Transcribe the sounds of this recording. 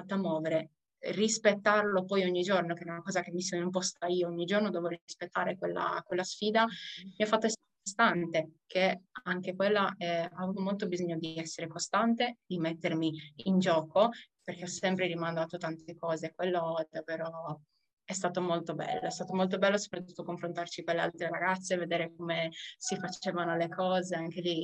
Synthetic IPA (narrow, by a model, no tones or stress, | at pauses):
at̪ːoamːɔːveɾe | rispet̪ːarlopɔjoɲːid͡ʒornok̟eɛɾaunakɔːzak̟emːisonumpɔst̪aiːooɲːid͡ʒornod̪ɔːvoɾispet̪ːaːɾekwelːa̰kwelːasfiːd̪amiafːat̪ːoɛsɾkost̪ant̪ekʰeaŋkekwelːaɛavuvomolt̪obizoɲːod̪iɛsːeɾekost̪ant̪ed̪imet̪ːermiind͡ʒɔːkoperkeɔsɛmpɾeɾimand̪aːt̪ot̪ant̪ekɔːzekwelːod̪avːeːɾo | ɛst̪aːt̪omolt̪obɛ̰lːoɛst̪aːt̪omolt̪̬obɛlːoso̥pɾat̪ːu̥t̪ːokoɱfɾont̪art͡ʃikonlːea̰lt̪ɾeɾaɡat̪sːeved̪eːɾekomesifat͡ʃeːvanolekʰɔːzeaŋkeli